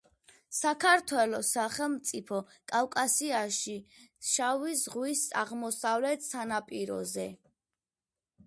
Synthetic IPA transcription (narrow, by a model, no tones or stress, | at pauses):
sakʰaɾt̪ʰwɛlɔsaχɛlˠmt̪sʼipʰɔkʼawkʼasiaʃiʃavisʁwisa̰ʁmɔsavlɛt̪ʰsanapʼiɾɔ̰zɛ